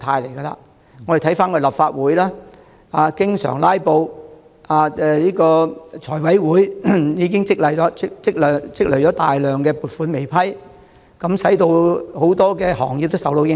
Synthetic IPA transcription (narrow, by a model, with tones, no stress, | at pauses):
t̪ʰaː˧jle˨˩jɡɐ˧la̰ː˧ | ŋɔ˨˧ɾe˨t̪ʰjfaː˥nkɔ˧lɐ˨pfaː˧t̚wuː˨˥jlaː˥ | aː˨˧kɪ˥ŋsœ̰ː˨˩ŋlaː˥jpo˧w | aː˧ɛ˧liː˥kɔː˧t͡ʃʰɔː˨˩jwɐ˨˥jwuː˨˥jjiː˨˧kɪ˥ŋt͡sɪ˥k̚lɐ˨˩jɔː˨˥t͡sɪ˥k̚lːt͡sɪ˥k̚lɵ˨˩t͡ʃɔː˨˥t̪aː˨jlœː˨ŋkɛː˧puː˨˩t̚fuː˨˥nme˨jpʰɐ˥j | kɐ˨˥msɐ˨˥jt̪o˧who˨˥wt̪ɔː˥kɛː˧hɔ̰ː˨˩ŋjiː˨p̚t̪o˥wsɐ˨wt̪o˧wjɪ˥